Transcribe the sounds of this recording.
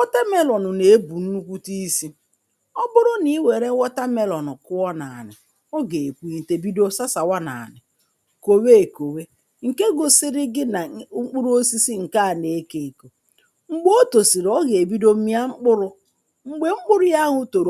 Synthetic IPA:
wɔ˦ta˦me˦lɔ˨nʊ˨ne˨e˦bu˨n̩˦nu˦kʷu˦ti˦si˦ | ɔ˦bʊ˦ɾʊ˦ni˦we˨ɾe˦wɔ˦ta˦me˦lɔ˨nʊ˨kʊ˦wɔ˦na˨a̰˨nɪ̰˨ | ɔ˦ɡe˨kʷi˨te˨bi˦do˦sa˦sa˨wa˦na̰˨a̰˨nɪ˨ | ko˨we˦˨ko˨we˦ | ŋ̩˨ke˦ɡʊ˨sɪ˦ɾɪ˦ɡɪ˦na˨˦ŋ͡m̩˦k͡pʊ˦ɾu˦o˦si˦si˦ŋ̩˨ka˦a˨ne˨˦ke˨ko˨ | ŋ͡m̩˨ɡ͡bo˦o˦to˨si˨ɾɔ˦ɡe˨e˨bi˦do˦m̩˦mi˦a˦ŋ͡m̩˦k͡pʊ˦ɾʊ˦ | ŋ͡m̩˨ɡ͡be˦ŋ͡m̩˦k͡pʊ˦ɾʊ˦ja˦ɦʊ˦to˨ɾ

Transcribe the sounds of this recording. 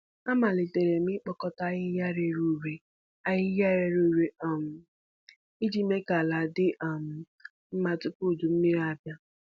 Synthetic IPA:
a˦ma˨le˨te˨ɾe˨mɪ˦k͡pɔ˦kɔ˦ta˦ɣɪ˦ja˦ɾe˨ɾu˦˨ɾe˨ | a˦ɣɪ˦ja˦ɾe˨ɾu˦˨ɾe˨˦˨m̩˨ | i˦di˦me˦ka˨la˨dɪ˦ʔm̩˨ | m̩˦ma˨tʊ˦ku˦˨du˨m̩˦mi˦ɾa˨bja˦

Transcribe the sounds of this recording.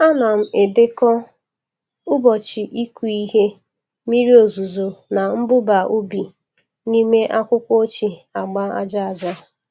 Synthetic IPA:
a˦na˨m̩˨e˨de˦kɔ˦ | ʊ˦bɔ˨t͡ʃi˨ʔi˦ku˨i˦ɦe˦ | mi˦ɾi˦o˨zu˨zo˨na˨m̩˦bʊ˦ba˨ʔu˦bi˨ | ni˦me˦ʔa˦kʷʊ˦kʷo˦o˦t͡ʃi˨a˨ɡ͡ba˦a̰˦d͡ʒa˦a˨d͡ʒa˦

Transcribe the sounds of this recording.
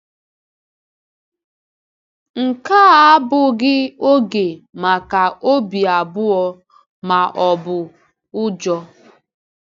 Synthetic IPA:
ŋ̩˨ka˦bʊ˨ɡɪ˦o˦ɡe˨ma˨ka˨ʔo˦bi˨a˨bʊ˦ɔ˦ | ma˨ʔɔ˨bʊ˨ | ʊ˦d͡ʒɔ˦

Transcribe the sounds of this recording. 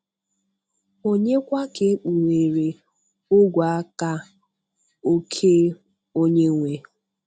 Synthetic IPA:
o˦ɲe˦kʷa˦ke˨˦k͡pu˨ɾe˨ɾe˨ | ʊ˦ɡʷa˨a˦ka˦ | o˦kʰe˦ | o˦ɲe˦ŋʷe˨

